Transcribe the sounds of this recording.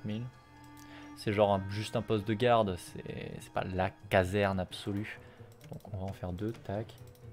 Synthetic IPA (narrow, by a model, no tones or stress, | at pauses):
mil | sɛʒɑ̃ʁɛ̃ʒyst̪ɛ̃pɔst̪̚d̪əɡaʁd̪sɛ̰sɛ̥pa̰lakazɛʁnabsɔly | d̪̥ɔ̃kʰɔ̃vaɑ̃fɛʁd̪øt̪ak